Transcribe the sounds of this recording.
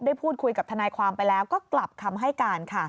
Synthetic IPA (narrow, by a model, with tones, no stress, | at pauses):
daː˥˩jpʰuː˥˩t̪̚kʰu˧jka˨˩t̪ʰnaː˧jkʰwaː˧mpa˧jlɛː˦˥wkɔː˥˩kla˨˩p̚k̪ʰa˧mɦa˥˩jkaː˧nkʰa˥˩